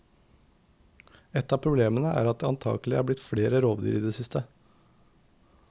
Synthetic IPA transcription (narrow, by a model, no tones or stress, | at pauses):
ɛt̪ːɑːpʰɾʊbleːmənəʔæ̰ːɾɑt̪̚d̪eːɑnt̪ʰɑ̰ːɡlɪæ̰ːɾblɪt̪fɽeːɾəɾoːʋd̪y̰ːɾiːd̪eːsɪst̪ə